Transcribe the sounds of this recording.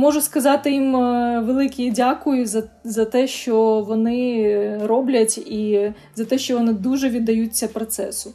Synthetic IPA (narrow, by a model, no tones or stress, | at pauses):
mɔʒʊskɐzɑt̪ɪjimʋelˠɪkʲidʲakʊjʊzɐ | zɐt̪ɛʃt͡ʃɔʋɔnɪɾɔblʲɐtʲi | zɐt̪ɛʃt͡ʃɔʋɔnɪd̪uʒɛʋʲid̪ːɐjut͡sʲːɐpɾɔt̪sɛ̰sʊ